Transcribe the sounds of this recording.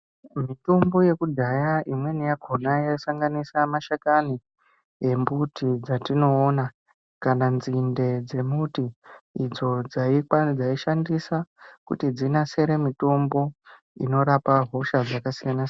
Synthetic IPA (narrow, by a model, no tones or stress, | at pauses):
mito̞mbo̞je̞kudʱajaʔimwe̞nijaɡʱonajasaŋɡanisamaʃakani | je̞mbutid͡zatino̞ːna | kananzinde̞d͡ze̞mutiːd͡zo̞d͡zaikwad͡zaiʃandisakṵtid͡zinase̞ɾe̞mito̞mbo̞ | ḭno̞ɾapaɦo̞ʃad͡zakasijanas